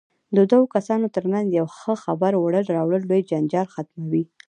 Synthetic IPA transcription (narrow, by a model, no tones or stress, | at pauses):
d̪əd̪awokasɑnot̪əɾmanzjawxəxabaɾwaɽəlɾɑwɽəlːojd͡ʒand͡ʒɑlxat̪mawi